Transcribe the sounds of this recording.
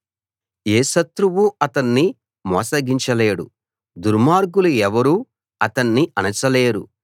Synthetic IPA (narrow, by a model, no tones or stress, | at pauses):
eːʃɐt̪ɾuʋuɐt̪ɐnːi | mɔːsɐɡiɲt͡ʃɐle̞ːɽṵ | d̪uɾmaːɾɡuluɛʋɐɾu | ɐt̪ɐnːiɐnɐt͡ʃɐle̞ːɾṵ